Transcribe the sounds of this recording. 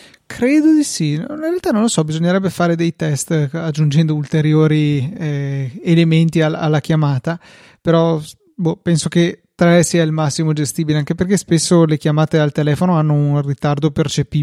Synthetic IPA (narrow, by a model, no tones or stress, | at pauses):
kʰɾeːd̪od̪isininrɾealt̪anõnlosɔbizoɲːeɾɛbːefaːɾed̪ejt̪ɛst̪ad͡ʒːund͡ʒɛnd̪oult̪eɾjoːɾiɛelement̪iaa̰lːakjamaːt̪a | peɾɔ | bopɛnsok̟et̪ɾɛsiːailmasːimod͡ʒest̪iːbileaŋkeperkespesːolekjamaːt̪ealt̪elɛːfonoanːounrit̪ard̪opert͡ʃepiː